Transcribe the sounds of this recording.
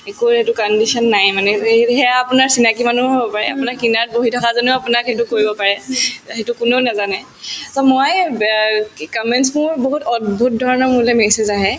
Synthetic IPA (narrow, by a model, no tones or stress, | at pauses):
ekuetukɔndisɔnːajmanɛɦɛapʊnaɹsinakimanuɦobɔpaɹɛ̰a̰punakːinat̚boɦitʰɔkazoneapunakɦet̬ukoɹibɔpaɹɛɦetukʊneʊnazanɛ | sɔmoj | kɔmɛnsmʊɹboɦutɔd̚bʱut̚dʱɔɹɔnɔmuɹlɛmɛsezaɦɛ